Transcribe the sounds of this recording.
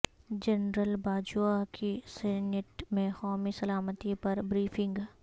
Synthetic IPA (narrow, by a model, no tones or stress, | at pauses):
d͡ʒɐnɾəlbaːd͡ʒuakisɛneʈmẽxɔːmisɐlaːmət̪ipɐɾbɾiːfʰɪ̃ŋɡ